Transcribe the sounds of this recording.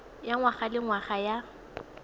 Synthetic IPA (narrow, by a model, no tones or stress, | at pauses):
jaŋwaχalɪŋwaχaja